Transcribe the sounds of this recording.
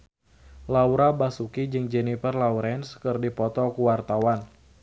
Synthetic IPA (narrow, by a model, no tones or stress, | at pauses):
lawuɾabasukid͡ʒɨŋd͡ʒɛnifərlawɾɛnskərdipɔt̪ɔkuwart̪awan